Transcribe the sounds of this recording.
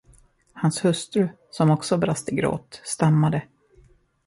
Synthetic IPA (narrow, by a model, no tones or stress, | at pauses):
hanshɵst̪ɾɵ | sɔmɔksɔbɾast̪əɡɾo̰ːt̪st̪amːad̪ə